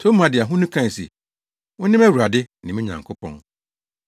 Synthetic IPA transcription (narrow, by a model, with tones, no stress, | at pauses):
tʰo˦m˦ã˨dɪ˨a˨ɦʊ̃˦nũ˦kʰã˦˨sḛ˨ | wʊ̃˦nɪ̃˦mæ˦wu˨ɾa˨dɪ˦nɪ̃˨mĩ˦ɲã̰˨ŋkʰʊ˦pʰɔ̰̃˦n